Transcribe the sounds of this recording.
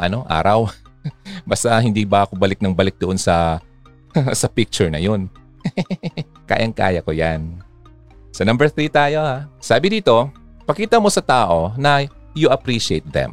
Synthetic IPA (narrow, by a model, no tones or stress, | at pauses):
ʔɐ̰no̞ʔa̰ːɾɐw | bast̪ɐɦɪnd̪iːbɐɐkobɐlɪk̚nɐŋbɐlɪk̚d̪oʔonsɐ | sɐpɪk̚t͡ʃʊɹnɐ̰jo̞n | ka̰ːjʔɐŋka̰ːjɐkojan | sɐnɐmbɛɹθɾiːt̪aːjo̞hasaːbɪd̪iːt̪o̞ | pɐkiːt̪ɐmo̞sɐt̪aːʔo̞nɐ | jʊʔɐpɾiːʃɪḛjt̪̚ðɛ̰m